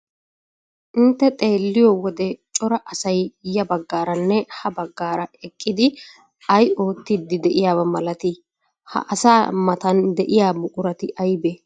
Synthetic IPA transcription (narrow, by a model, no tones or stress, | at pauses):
ʔɪnt̪ːɛt̪ʼe̞ːlːɪjɔwɔd̪ɛt͡ʃʼɔɾɐʔɐsɐjjɐbɐɡːaːɾɐnːɛhɐbɐɡːaːɾɐɛkʼːɪd̪ɪ | ɐjo̞ːt̪ːɪd̪ɪd̪ɛʔɪjaːbɐmɐlɐt̪ɪ | hɐ̰ʔɐsaːmɐt̪ɐnd̪ɛʔɪjaːmʊkʼʊɾɐt̪ɪʔɐjbe